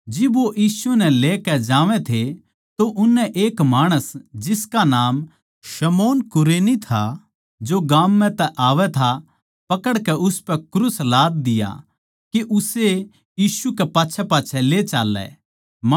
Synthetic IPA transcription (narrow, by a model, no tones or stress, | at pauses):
d͡ʒɪbʋoʔjiːsunɛleːkɛd͡ʒaːʋɛ̃t̪ʰe | t̪oʔʊnːɛʔeːkmaːɽ̃əsd͡ʒɪskanaːm | ʃɐmoːnkʊɾeːnit̪ʰa | d͡ʒoɡaːmːɛ̃t̪ɛʔaːʋɛt̪ʰa | pɐkəɽkɛʔʊspɛkɾʊslaːd̪̚d̪ɪja̰ | keʔʊse | jiːsukɛpaːtːʃʰɛpaːtːʰɛlet͡ʃaːlːɛ̰